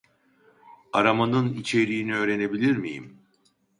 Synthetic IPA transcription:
aɾamanɯnit͡ʃʰe̞ɾijːniø̞ːɾe̞ne̞bilʲiɾmḭjḭm

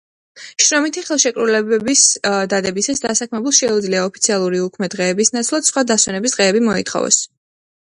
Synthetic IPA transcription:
ʃɾɔmit̪ʰiχɛlˠʃɛkʼɾulɛbɛbisd̪ad̪ɛbisasd̪asakʰmɛbulˠʃɛud̪zliaɔpʰi̥t̪sʰialˠuɾiukʰmɛd̪ʁɛːbisnat̪sʰlˠat̪d̪̥sχwad̪aswɛnɛbisd̪ʁɛːbimɔḭt̪χɔ̰vɛ̰s

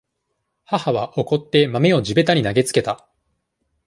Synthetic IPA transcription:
hahaβaʔo̞ko̞t̪ːe̞mame̞o̞d͡ʑibe̞t̪aɲ̟inaɡe̞t͡sɨ̥ke̞t̪a

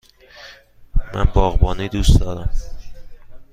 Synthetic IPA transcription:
mæ̰nbɒːɣbɒːnid̪usd̪ɒːɾæm

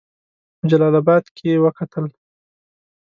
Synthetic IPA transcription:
pəd͡ʒalɑlabɑd̪kʰewəkat̪əl

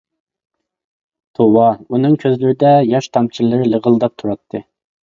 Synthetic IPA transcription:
t̪ʰowɑunɨŋkʲʰøzlɪɾɪd̪ɛjɑʃt̪ʰɑmt͡ʃʰillːˠɨɾɪləʁəlˠd̪ɑp̚t̪ʰuɾɑt̪ʰːɨ

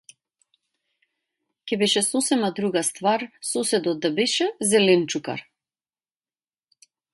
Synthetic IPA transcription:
cɛbɛʃɛsɔsɛmad̪ɾuɡast̪vaɾsɔsɛd̪ɔt̪̚d̪abɛʃɛzɛlɛnt͡ʃuka̰ɾ

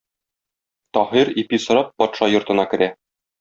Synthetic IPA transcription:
t̪ɒhiɾipisŏɾɑp̚ːɒt̪ʃɑjŏɾt̪ɤ̆nɑkɘ̆ɾæ

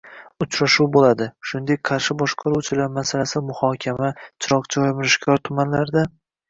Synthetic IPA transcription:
ʊt͡ʃʰɾaʃuwbolad̪ɪʃʊnd̪e̞k̚ʲqʰɑɾʃɪbɒʃqʰɑɾuwt͡ʃʰɪlaɾmasalasɪmʊhɒkʲʰamat͡ʃʰɪɾɒqt͡ʃʰɪɒjmɪɾɪʃkʲʰɒɾt̪ʰʊmanlaɾd̪a

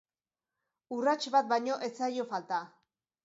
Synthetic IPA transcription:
urat͡ʃβat̪̚bajɲo̞ʔe̞t͡sajo̞falt̪a

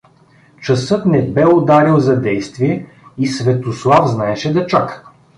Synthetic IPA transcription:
t͡ʃɐsɤt̪nɛbɛod̪aɾilˠzɐd̪ɛjst̪viɛ | isvɛt̪oslˠafznaɛʃɛd̪ɐt͡ʃakə̥

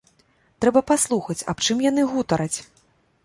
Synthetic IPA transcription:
t̪ɾɛbɐpaslˠuxɐt͡sʲa̰pt͡ʂɨmjan̪ɨɣut̪ɐɾɐt͡sʲ

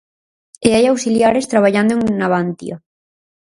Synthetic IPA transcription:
eajawsiljaɾest̪ɾaβaʎand̪oeŋnaβant̪ḭa

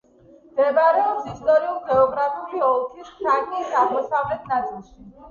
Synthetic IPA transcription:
md̪̥ɛbaɾɛɔpsist̪ʼɔɾiulˠɡɛɔɡɾapʰiuliɔlˠkʰiskʰɾaɡnisaʁmɔsavlɛt̪ʰnat̪sʼilˠʃi

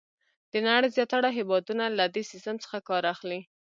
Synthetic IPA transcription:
d̪̥ənaɽəjzjɑt̪aɽaɦɪwɑd̪unalad̪esɪst̪əmt͡sə̥xakɑɾaxli

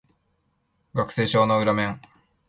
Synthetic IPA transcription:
ɡakɯ̟̥se̞ːɕo̞ːnoɯ̟ɾamẽ̞ŋ

